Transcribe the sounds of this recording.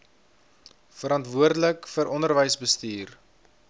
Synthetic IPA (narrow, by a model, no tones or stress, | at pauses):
fəɾɐntvuərdələkfəɾʔɔndərvəjsbəstiːr